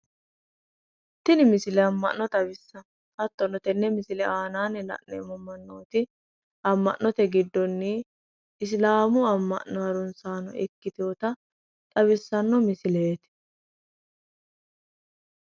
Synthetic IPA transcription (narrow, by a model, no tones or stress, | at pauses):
t̪ːɪnɪmɪsɪlɛɐmːɐ̰nːɔt̪ʼɐbɪsːɐ | hɐt̪ːɔnɔt̪ɛnːɛmɪsɪlɛaːnaːnːɛlɐ̰ʔnḛːmɔmɐnːoːt̪ɪ | ʔɐmːɐ̰ʔːɔt̪ɛɡɪd̪ːɔnːɪ | ɪs̬laːmʊɐmːɐ̰ʔnːɔɐɾʊnsaːnɔ̰ʔɛkːɪt̪oːt̪ɐ | t̪ʼɐβɪsːɐnːɔmɪsɪleːt̪